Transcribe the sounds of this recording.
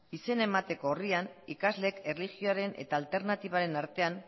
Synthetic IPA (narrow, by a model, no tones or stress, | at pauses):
ise̞ne̞mat̪e̞ko̞ːrianikazle̞ke̞rliɣio̞aɾe̞nʔe̞̰t̪aːlt̪e̞ɾnat̪iβ̞aɾe̞naɾt̪e̞an